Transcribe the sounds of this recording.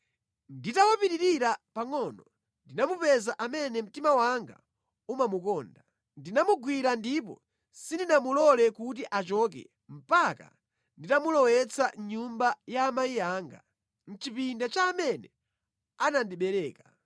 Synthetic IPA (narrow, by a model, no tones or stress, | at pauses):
nditawapiɾiɾiɾapaŋɔnɔ | ndinamupɛzaʔamɛnɛm̩timawaŋɡa̰ | umamukɔːnda | ndinamuɡwiɾandip̬ɔ̰ | sindinamulɔlɛkut̬iʔat͡ʃɔːk̬ɛ̰ | m̩paka̰ | nditamulɔwɛt͡sʰaɲumbajaːmajiaːŋɡa̰ | n̩t͡ʃipindat͡ʃaːmɛnɛ | anandiɓɛɾɛːka